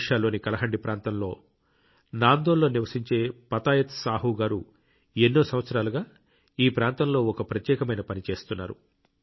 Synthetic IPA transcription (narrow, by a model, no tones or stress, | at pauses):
ʂaːlːo̞ːnikɐlɐɦɐɳɖipɾʔaːnt̪ɐmlo̞̰ː | naːnd̪oːlːo̞ːniʋɐsiɲt͡ʃe̞ːpɐt̪aːjɐt̪saːɦuɡaːɾu | enːoːsɐmʋɐt̪sɐɾaːluɡaː | iːpɾaːnt̪ɐmlo̞ːɔkɐpɾɐt̪jɛːkɐmɐjnɐpɐnit͡ʃe̞ːst̪unːaːɾṵ